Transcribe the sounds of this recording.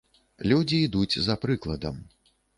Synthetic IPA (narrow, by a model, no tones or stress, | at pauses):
lʲud͡zʲiːd̪ud͡zʲzɐpɾɨklˠɐd̪ɐm